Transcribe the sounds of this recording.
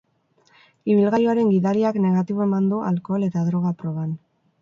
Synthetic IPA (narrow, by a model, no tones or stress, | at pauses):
iβ̞ilɣajoaɾe̞ŋɡiðaɾiakne̞ɣ̞at̪iβo̞e̞mand̪uʔa̰lko̞le̞t̪aðɾo̞ɣ̞apɾo̞β̞an